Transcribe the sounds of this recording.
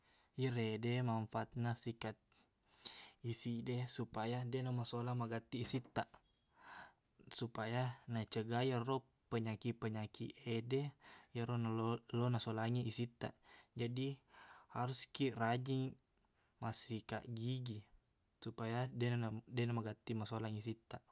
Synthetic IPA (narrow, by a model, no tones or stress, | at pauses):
iɾedɛmaɱfat̪̚nasikat̪̚ | isidɛsupajadɛnamasolamaɡat̪iːsit̪ːa | supajanat͡ʃəɡajarɔ | pəɲakipəɲakiʔedɛjaɾonalonasolaŋiisit̪a̰ʔd͡ʒadihaɾuskirad͡ʒiŋ | masika̰ʔɡiɡi | supajadɛnanadɛnamaɡat̪imasolaŋisit̪a